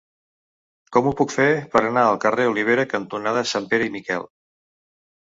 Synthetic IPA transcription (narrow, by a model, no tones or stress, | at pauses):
kɔmupukfepəɾənaəlˠkəreuliβ̞eɾəkənt̪unaðəsampeɾəimikɛ̰lˠ